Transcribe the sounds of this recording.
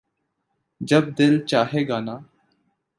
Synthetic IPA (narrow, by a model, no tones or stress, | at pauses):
d͡ʒəb̚d̪ɪlt͡ʃaːɦeːɡaːnaː